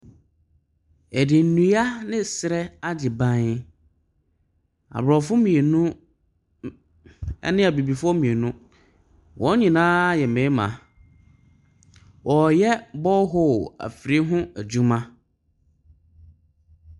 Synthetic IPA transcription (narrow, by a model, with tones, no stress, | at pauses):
ɛ˨dɪ˨n̩˨nũ˨˦a˦nɪ̃˦sɪ˨ɾɛ˦a˦d͡ʑɪ˨bã˦nɪ˦ | a̰˨bɾɔ˨fʊ˦mĩ˨e˨nʊ̃˦ | ɛ̰˦nɪ̃˦a˨bi˨bi˨fʊ˦ɔ˦mĩ˨e˨nʊ̃˦ | wʔɔ̃˦ɲĩ˨nãː˦jɛ˨mẽ˨˦mã̰˨ | wʔɔ˨jɛ˦bɔ˦ɦɔ˦˨æ̰˨fɾi˦ɦʊ̃˦æ˨d͡ʑu˦mã˦